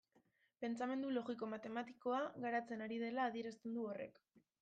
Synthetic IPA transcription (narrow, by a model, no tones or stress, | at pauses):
pe̞nt͡same̞nd̪ulo̞ɣik̬o̞mat̪e̞mat̪i̥ko̞aɣaɾat͡se̞naɾið̞e̞laːð̞ie̞ɾast̪e̞nd̪uo̞re̞̰k